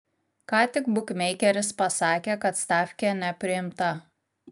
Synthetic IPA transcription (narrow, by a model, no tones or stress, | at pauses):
kɑːt̪ʲɪkbʊkʲmʲɛɪkʲɛɾʲɪspɐsɑːkʲeːkɐt̪st̪ɑːfʲkʲɛnʲɛpʲɾʲɪɪmt̪ɐ